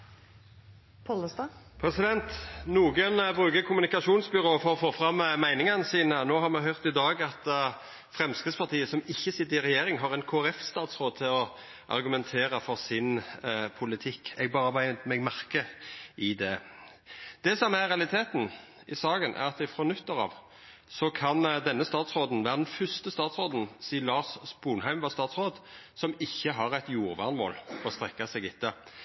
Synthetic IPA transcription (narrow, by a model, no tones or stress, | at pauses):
pʰɔləst̪ɑpʰɾɛsɪd̪ɛnt̪nuːɡənbʁʉːɡəkʰʊmʉnɪkɑʃuːnsbʏʁoːfoːɔfoːfɾɑmːmæɪnɪŋɑnəsiːnənoːhɑʁmɛɦœʁt̪ɪd̪ɑːɡɑt̪ | fʁɛmskɪspʰɑʁt̪ʰiːəsɔmɪçːəsɪt̪əəɪɾɛjeːɾɪŋɦɑʁɛnkʰoːæɾɛfst̪ɑːd̪sɾʁoːd̪̚t̪ʰɪlɔ | ʔɑ̰ɾɡʉmɛnt̪ʰeːɾəfɔʁsɪnpʰʊlɪt̪ʰɪkːɛɡ̚bɑːʁəmæmɛɡmæʁkəʔɪd̪ɛ | d̪̥ɛsɔmæɾʁɛɑlɪt̪ʰeːt̪n̩ | ɪsɑːɡənʔæ̰ɾɑt̪ɪfɾoːnʉt̪ːəɾɑ̰ːʋ | sɔkʰɑnd̪ɛnːəst̪ɑːt̪sʁoːd̪n̩ʋæːʁəd̪ɛnfʏst̪əst̪ɑːt̪sɾoːd̪n̩siːlɑːsbuːnɦæɪmʋɑːst̪ɑːt̪sʁoːd̪ | sɔmɪçːəɦɑɾæɪt̪juːʁʋɑ̰ʁnmo̰ːlɔst̪ʁɛkːɑsɛɡɪt̪ːə